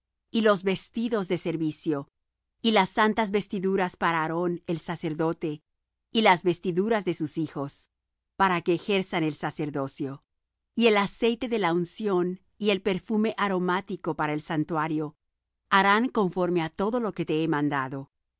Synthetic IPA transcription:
ilo̞zβe̞st̪iðo̞zðe̞se̞ɾβisjo̞ | ilasːant̪azβe̞st̪iðuɾaspaɾaːɾo̞ne̞lsase̞ɾðo̞t̪e̞ | ilazβe̞st̪iðuɾazðe̞susixo̞s | paɾake̞ːxe̞ɾsane̞lsase̞ɾðo̞sjo̞ | ie̞lase̞jt̪e̞ðe̞launsjo̞n | ie̞lpe̞ɾfume̞ʔaɾo̞mat̪iko̞paɾaelsant̪waɾjo̞ | aɾaŋko̞ɱfo̞ɾme̞at̪o̞ðo̞lo̞ke̞t̪e̞emãnd̪aðo̞

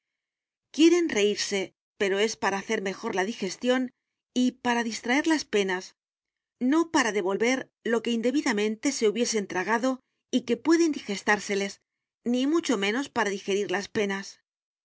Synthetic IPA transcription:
kje̞ɾe̞nre̞iɾse̞ | pe̞ɾo̞e̞spaɾaːθe̞ɾme̞xo̞ɾlaðixe̞st̪jo̞n | ipaɾaðist̪ɾae̞ɾlaspe̞nas | no̞paɾaðe̞βo̞lβe̞ɾ | lo̞ke̞ind̪e̞βiðamẽ̞nt̪e̞se̞uβje̞se̞ːnt̪ɾaɣ̞aðo̞ | ike̞pwe̞ðe̞nd̪ixe̞st̪aɾse̞le̞s | nimut͡ʃo̞mẽ̞no̞spaɾaðixe̞ɾiɾlaspe̞nas

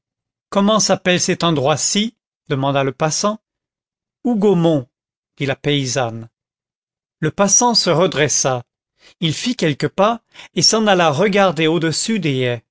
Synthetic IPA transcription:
kɔmɑ̃sapɛlsɛt̪ɑ̃d̪ʁwasi | d̪əmɑ̃d̪aləpasɑ̃ | uɡomɔ̃ | d̪̥ilapeizan | ləpasɑ̃səʁəd̪ʁɛsa | ilfikʲɛlkəpaesɑ̃nalaʁəɡaʁd̪eod̪əsyd̪eɛ

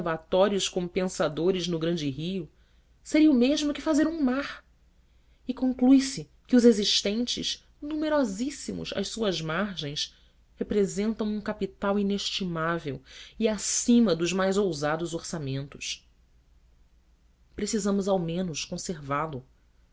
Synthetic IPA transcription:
vat̪ɔɾiʊskõpẽsad̪oɾɪznʊɡɾɐ̃nd͡ʒɪɦiʊ | seɾiɐumeʒmʊkɪfazeɾũmaɾ | ɪkõŋklujsɪ | kɪʊzeziʃt̪ẽnt͡ʃɪ̰ʃ | nũmeɾɔzisimʊ̰ʃɐ̰ʃsuɐzmaɾʒẽj̃s | hepɾezẽnt̪ɐ̃w̃ũkapit̪awineʃt͡ʃimavewiasĩmɐd̪ʊzmajzowzad̪ʊzoɾsamẽnt̪ʊ̥ʃ | pɾesizɐ̃mʊzawmẽnʊʃkõseɾvalʊ

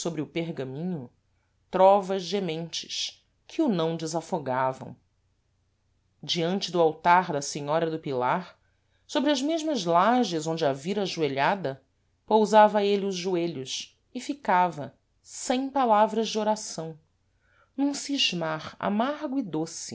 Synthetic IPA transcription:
sobɾɪʊpeɾɡɐ̃mĩɲʊ | t̪ɾɔvɐzʒemẽnt͡ʃɪ̥ʃ | kʰɪʊnɐ̃w̃d͡ʒɪzafoɡavɐ̰̃w̃ | d͡ʒiɐ̃nt͡ʃɪd̪ʊawt̪aɾd̪ɐseɲɔɾɐd̪ʊpilaɾ | sobɾɪɐzmeʒmɐzlaʒɪzõd͡ʒɪɐviɾɐaʒueʎad̪ɐ | powzavɐelɪʊzʒueʎʊs | ɪfikavɐ | sẽj̃palavɾɐzd͡ʒɪoɾasɐ̃w̃ | nũũsiʒmaɾa̰maɾɡʊid̪osɪ

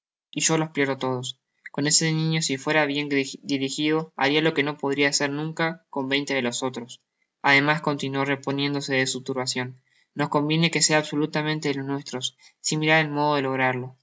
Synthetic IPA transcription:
iʒo̞lo̞hpljeɾot̪o̞ð̞o̞s | ko̞ne̞seniɲo̞sifwe̞ɾaβje̞nd̪iɾixiðo̞a̰ɾialo̞ke̞no̞po̞ð̞ɾiaseɾnũŋkako̞mbe̞jnt̪e̞ðelo̞so̞t̪ɾos | að̞e̞masko̞nt̪inwore̞po̞nje̞nd̪o̞se̞ðesut̪uɾβasjo̞nː | o̞sko̞mbje̞ne̞ke̞se̞aːβso̞lut̪amẽnt̪e̞ðelo̞snwe̞st̪ɾo̞s | simiɾaɾelmo̞ð̞o̞ð̞elo̞ɣ̞ɾaɾlo̞

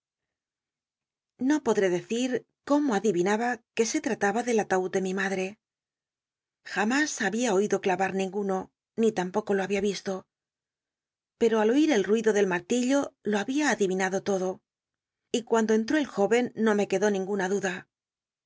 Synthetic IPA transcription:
no̞po̞ðɾe̞ðe̞θiɾ | ko̞moaðiβinaβake̞se̞t̪ɾat̪aβaðe̞lat̪aud̪e̞mimaðɾe̞ | xamasaβiao̞iðo̞klaβaɾnĩŋɡuno̞ | nit̪ampo̞ko̞lo̞aβiaβist̪o̞ | pe̞ɾo̞alo̞iɾe̞lrwiðo̞ðe̞lmaɾt̪iʎo̞lo̞aβiaːðiβinaðo̞t̪o̞ðo̞ | ikwand̪o̞e̞nt̪̬ɾo̞e̞lxo̞βe̞nːo̞me̞ke̞ðo̞nĩŋɡunaðuða

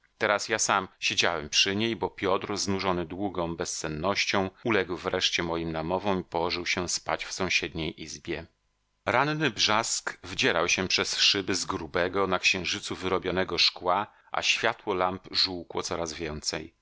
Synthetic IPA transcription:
t̪ɛɾasjasamɕed͡ʑawɛmpʂɘɲejbɔpʲjɔt̪ɾznuʐɔnɘd̪wuɡɔ̃w̃bɛst̪sɛnːɔɕt͡ɕɔ̃w̃ulɛɡwvɾɛʂt͡ɕɛmɔjimnamɔvɔ̃w̃ipɔwɔʐɘwɕɛspat͡ɕfsɔ̃w̃ɕɛd̪ɲejʔizbʲjɛ | ɾannɘbʐaskvd͡ʑɛɾawɕɛpʂɛsʂɘbɘzɡɾubɛɡɔnakɕɛ̃w̃ʐɘt̪suvɘɾɔbʲjɔnɛɡɔʂkwa | ʔa̰ɕfʲjat̪wɔlampʐuwkwɔ̰t̪sɔɾazvʲjɛnt̪sɛj

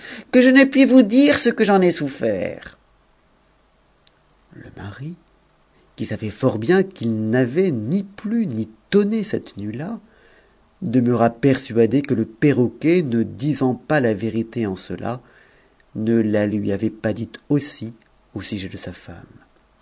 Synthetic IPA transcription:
kəʒənɛpɥivud̪iʁsəkəʒɑ̃nɛsufɛ̰ːʁ | lə̰maʁi | kʲisavɛfɔʁbjɛ̃kilnavɛniplynit̪ɔnesɛt̪nyla | d̪əməʁapɛʁsɥad̪ekələpeʁɔkʲɛnəd̪izɑ̃palaveʁit̪eɑ̃səlʔa̰ | nəlalɥiavɛpad̪it̪osi | osyʒed̪əsafa̰m

